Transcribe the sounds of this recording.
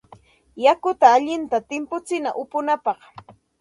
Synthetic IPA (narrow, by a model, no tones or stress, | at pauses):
jakʊt̪aːʎɪnt̪at̪ɪmpʊt͡sɪna̰ʔʊpʊnapɑχ